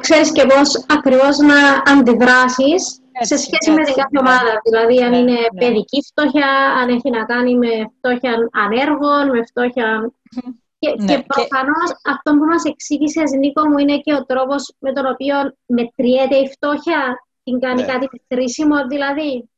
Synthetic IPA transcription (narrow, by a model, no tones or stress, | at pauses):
kse̞ɾisce̞po̞sɐkɾivo̞znɐːnd̪iðɾɐsis | se̞sçe̞sime̞t̪iŋɡɐθeo̞mɐðɐðilɐðiɐnine̞ppe̞ðicift̪o̞çɐɐneçinɐkɐnime̞ft̪o̞çɐnɐne̞ɾɣo̞nme̞ft̪o̞çɐn | cecepɾofɐno̞sɐft̪o̞mbumɐse̞ksiʝiseɐznikomuine̞ce̞o̞t̪ɾo̞po̞zme̞t̪o̞no̞pio̞nme̞t̪ɾiet̪e̞ift̪o̞çɐ | t̪iŋɡɐnikɐt̪imekɾisimo̞ðilɐði